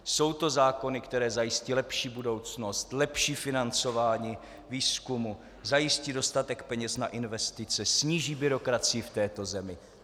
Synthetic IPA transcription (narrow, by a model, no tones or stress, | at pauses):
so̞wt̪o̞zaːko̞nɪkt̪ɛɾɛːzajɪscɪlɛpʃiːbudo̞wt͡sno̞st̪lɛpʃiːfɪnant͡so̞vaːɲiː | viːskumu | zajɪscɪdo̞st̪at̪ɛkpɛɲɛsnaʔɪnvɛst̪ɪt͡sɛsɲiːʒiːbɪɾo̞kɾat͡sɪjɪft̪ɛːt̪o̞zɛmɪ